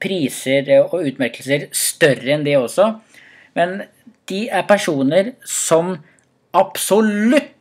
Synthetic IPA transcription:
pʰɾiːsəɾɔʉːt̪mæɾkəlsəɾst̪œrəɛnd̪ɛɔsːɔ | mɛn | d̪̥ɪæɾpæʂuːnəɾsɔm | ɑpsɔlʉt̪ː

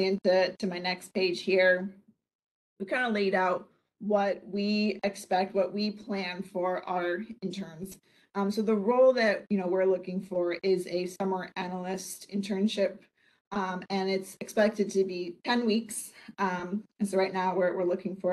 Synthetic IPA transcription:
ɨ̃ntɨtʰɨmaɪnɛkspʰeɪd̥ʒ̥hiɹ | wikʰãɪ̃ndəleɪɾaʊt̚ | wʌt̚wiɪkspɛk̚t̚wʌʔ̚wipʰl̥æ̃nfə˞ʔə˞ɨ̃ntʰɜ̃˞nz̥ | ʌ̃msoʊðəɹoʊlˠðɨt̚jɨñoʊwɪɹlʊkɪ̃ŋfə˞ɪzɨsʌmə˞ʔænl̩ˠɪstɨ̃ntʰɜ̃˞nʃɪp̚ | ɨ̃nɪtsɨkspɛk̚tɨd̚tʰɨbitʰɛ̃nwiksm̃nsoʊɹaɪtⁿnaʊwə˞ʔwʔɪɹlʊkɪ̃ŋfə˞

